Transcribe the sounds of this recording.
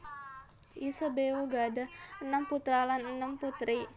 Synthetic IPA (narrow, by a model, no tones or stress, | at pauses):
ʔisəbeuɡadahənəmput̪ɾalanənəmput̪ɾi